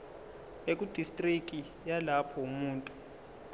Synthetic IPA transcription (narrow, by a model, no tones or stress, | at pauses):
ek̬ʼud̥ʱistʼrik̬ʼi | jalapʰɔumuːntʼu̥